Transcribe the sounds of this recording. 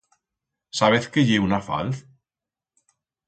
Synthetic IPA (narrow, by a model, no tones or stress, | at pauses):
saβeθkeʎeunafa̰lθ